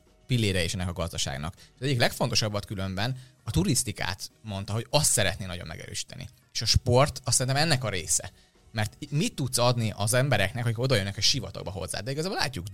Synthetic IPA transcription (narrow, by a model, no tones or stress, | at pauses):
pilːeːɾɛeːʃɛnːɛkɒɡɒzd̪ɒʃa̰ːɡnɒ̰keʃɒzɛɟːiklɛkfo̞nt̪o̞ʃɒbːɒt̪kylø̞mbɛnɒt̪uɾist̪ika̰ːt̪mo̞nt̪ɒɦo̞ɟɒst̪sɛɾɛt̪neːnɒɟo̞̰mːɛ̰ɡɛ̰ɾø̰ːʃi̥t̪ɛ̰nḭ | eːʃɒʃpo̞rt̪ɒssːɛɾint̪ɛmɛnːɛkɒɾḛːsɛ̰ | mɛrt̪mit̪ːut̪sɒd̪niʔɒzɛmbɛɾɛknɛkhokiko̞d̪ɒjønːɛkɛʃivɒ̰t̪o̰ɡ̚bɒɦo̞̰zːa̰ːd̪ɛiɡɒzaːbolaːcːuk